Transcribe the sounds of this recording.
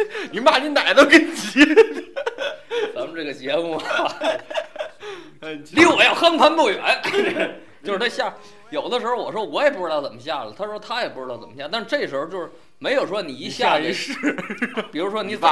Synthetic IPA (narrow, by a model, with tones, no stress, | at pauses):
ni˨˩ma˥˩ni˧˥na˨˩ɪt̪o˥ʊke˧˩n˨˩t͡ɕi˧˥ | t͡sa˧˥˩m̩˧ʈ͡ʂɤ˥˩ɡə˩t͡ɕjɛ˧˥mu˥˩ | li˧˥˩wɔ˨˩jɑ˥˩ʊxə˥npʰa˧˥p̪u˥˩ɥɛ̰˧˥n | t͡ɕjo˥˧ʊʂɻ̩˧t̪ʰɕja˥˩ | jo˨˩ʊd̪ə˦ʂɻ̩˧˥o˧wɔ˨˩ʂɻ̩˥wɔ˧˥jɛ˨˩pu˧˥ʈ͡ʂɻ̩˥˧˥t̪ɑ˥˩t͡sə˨˩mə˦ɕ̬ja˥˩lə˩t̪ʰa˥ʂt̪ʰa˥jɛ˨˩pu˧˩ʈ͡ʂɻ̩˧t̪ɑ˥˩ʊt͡sə˨˩mə˩ja˥˧t̪ʂɻ̩˥˧ʈ͡ʂɤ˥˩ɡə˩ʂɻ̩˧˥o˧t͡ɕjo˥˧ʊʂɻ̩˥˩ | me˧˥ɪjo˨˩ʊʂwɔ˥ni˨˩i˧˥ɕja˥˧˩ʂɻ̩˥˩pi˨˩ɻu˧˥ʂwɔ˥ni˧˥t͡sa˧